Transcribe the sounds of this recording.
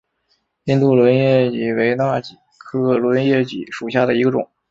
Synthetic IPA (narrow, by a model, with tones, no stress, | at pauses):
i˥˧nt̪u˥˩lwə˧˥njɛ˥˩t͡ɕi˨˩we˧˥ɪna˥˩t͡ɕi˨˩kʰɤ˥lwə˧˥njɛ˥˩t͡ɕḭ˨˥ʂu˨˩ɕja˥˩d̪ə˩i˧˥ɡə˧ʈ͡ʂʊ̰˨˩˦ŋ